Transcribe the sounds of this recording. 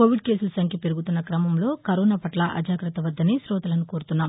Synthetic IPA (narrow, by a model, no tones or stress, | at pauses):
koːʋiɖ̚ke̞ːsulɐsɐŋkʰjɐpeɾuɡut̪unːɐkɾɐmɐmlo̞ːkɐɾoːnaːpɐʈlɐʔɐ̰d͡ʒaːkɾɐt̪ɐʋɐd̪ːɐneːsɾɔːt̪ɐlɐnukoːɾut̪unːaːm